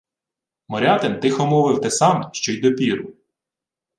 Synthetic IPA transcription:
mɔɾʲɑt̪ɪnt̪ɪxɔmɔʋɪwt̪ɛsɑmɛʃt͡ʃɔjd̪ɔpʲiɾʊ

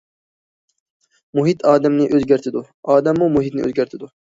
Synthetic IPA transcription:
muɦit̪ʰɑːd̪ɛmnɪʔøzɡʲæɾt̪ʰɪd̪u | ɑːd̪ɛmːumuɦit̪nɪʔø̰zɡʲæɾt̪ʰɪd̪u

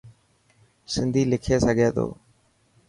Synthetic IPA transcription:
sɪnd̪ʱiːlɪkʰeːsəɡʱeːt̪o̰ː

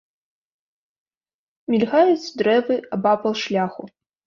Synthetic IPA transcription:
mʲilʲɣajut͡sdɾɛvɨabapɐlˠʂlʲaxʊ

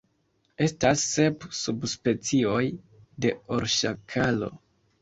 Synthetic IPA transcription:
e̞stasːe̞psubspe̞t͡sio̞j | de̞oɾʃakʰalo̞̰

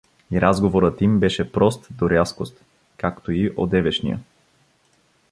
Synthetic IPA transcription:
iɾʔazɡovoɾət̪imbɛʃɛpɾɔst̪d̪oɾʲaskost̪ | kakt̪oiʔod̪ɛvɛʃnḭjə̰

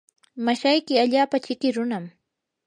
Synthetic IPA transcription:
maʃajkɪaʎaːpat͡ʃɪkɪɾʊnam

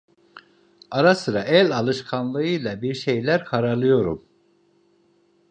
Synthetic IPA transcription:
aɾasɯɾaʔælʲalˠɯʃkʰanlˠɯɯjlˠabiɾʃejlʲæɾkʰaɾaɾlˠɯjo̞ɾṵm

